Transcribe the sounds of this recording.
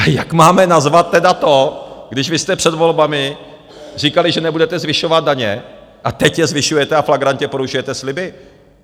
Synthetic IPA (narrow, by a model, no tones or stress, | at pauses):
jakmaːmɛnazvat̪̚ːɛdat̪o̞ɡdɪʃvɪst̪ɛpr̥ɛd̪vo̞lbamɪ | r̝ikalɪʒɛnɛbudɛt̪ɛzvɪʃo̞vad̪̚daɲɛʔat̪ɛcjɛzvɪʃujɛt̪ɛaflaɡɾancɛpoɾuʒujɛt̪ɛslɪbɪ